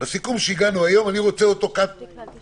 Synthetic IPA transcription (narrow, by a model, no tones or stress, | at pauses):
asikumʃeiɡanuajo̞maniʁo̞t͡seoto̞kat̚